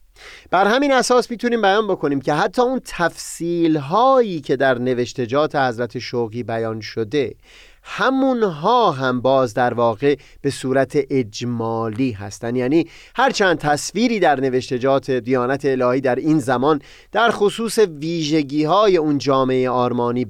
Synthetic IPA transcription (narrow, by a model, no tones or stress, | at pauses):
b̥æɾhæmiːnæsɒːsmiːt̪ʰuniːmbæjɒːnbo̞kʰo̞niːmcʰe̞ɦæt̪ʰːɒːunt̪ʰæfsiːlɦɒːjiːcʰe̞d̪æɾne̞veʃt̪e̞d͡ʒɒːt̪ʰe̞hæzɾæt̪ʰe̞ʃoɣiːbæjɒːnʃo̞d̪e̞ | hæmunɦɒːɦæmbɒːzd̪æɾvɒːɣe̞ | b̥e̞suːɾæt̪ʰeʔed͡ʒmɒːliːɦæ̰st̪ænd̪jæːniː | hæɾt͡ʃʰænd̪̚t̪ʰæsviːɾiːd̪æɾne̞ve̞ʃt̪e̞d͡ʒɒːt̪ʰe̞d̪ijɒːnæt̪ʰe̞ːlɒːhiːd̪æɾiːnzæmɒn | d̪̥æɾxosuːse̞viːʒe̞ɟiːhɒːje̞und͡ʒɒːmeejeɒːɾmɒːniː